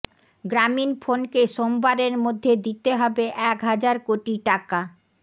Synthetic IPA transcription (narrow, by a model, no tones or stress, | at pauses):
ɡɾaminfʰonkeʃombaɾeɾmod̪ʱːed̪it̪eɦɔbeʔɛkɦad͡ʑaɾkoʈiʈaka